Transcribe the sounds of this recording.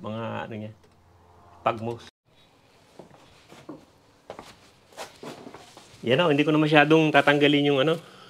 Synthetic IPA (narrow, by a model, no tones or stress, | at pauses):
mɐŋaɐ̰noɲa | paɡ̚mos | janoʔɪnd̪ikonɐmɐʃ̬aːd̪oŋt̪aːt̪ɐŋɡalɪɲjʊŋɐno̞